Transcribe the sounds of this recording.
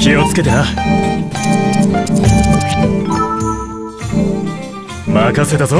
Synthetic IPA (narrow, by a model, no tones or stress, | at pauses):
kiot͡sɨ̥ke̞t̪eɾa | makaset̪azo